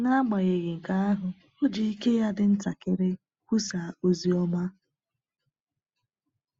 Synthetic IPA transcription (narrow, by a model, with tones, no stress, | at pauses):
na˦a˦ɡ͡ba˨ɣe˨ɣɪ˨ŋ̩˨ka˦a˦ɦʊ˨ | o˦d͡ʒi˨i˦ke˦ja˦dɪ˨n̩˦ta˨kɪ˦ɾɪ˦ | kʷu˦sa˨o˨zi˨ɔ˦ma˦